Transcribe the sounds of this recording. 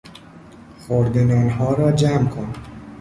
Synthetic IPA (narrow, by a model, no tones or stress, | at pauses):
xoɾd̪enɒːnɦɒːɾɒːd͡ʒæmkʰon